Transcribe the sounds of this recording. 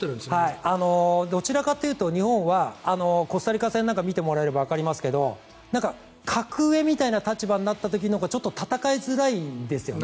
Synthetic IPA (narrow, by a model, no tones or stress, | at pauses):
t̪ːeɾɯ̃nshaiiano̞d̪o̞t͡ɕiɾakat̪ːe̞jɯ̟ːt̪o̞ɲ̟ihõ̞ɰ̃βaːno̞ko̞saɾʲikasẽ̞nːãŋkamʲit̪e̞mo̞ɾae̞ɾɯbaβakaɾʲimasɨ̥ke̞d̪o̞ | nãŋka | kʰakɯ̟e̞mʲit̪ainat̪at͡ɕibaɲinat̪ːat̪̬o̞k̬ʲinoɡat͡ɕo̞t̪ːo̞t̪at̪akaezɨɾaid̪e̞sɨjo̞̰n